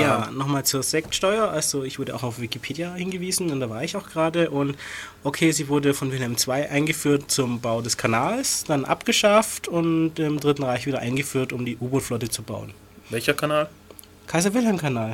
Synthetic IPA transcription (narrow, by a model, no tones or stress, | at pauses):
jaːnɔχmaːlt͡suːɐzɛk̚tʃtɔʏɐʔalzoɪçv̥ʊɐdəʔa̰ʊxaʊfv̥ɪkipʰeːdjahɪnɡəviːzn̩ʊnd̥aːvaːɐɪçaʊxɡəʁaːdəʔʊntʔokʰeːziːvʊɐdəfɔnvɪlhɛmt͡sv̥aɪʔaɪnɡəfyːɐt̚t͡sʊmbaʊdɛskʰanaːlsd̥anʔa̰pɡ̥əʃaftʊntɪmdʁɪtn̩ʁaɪçviːdɐʔa̰ɪnɡəfyːɐtʊmdiːʔuːboflɔtət͡suba̰ʊən | vɛlçɐkʰanaːl | kʰaɪzɐvɪlhɛmkʰanaːl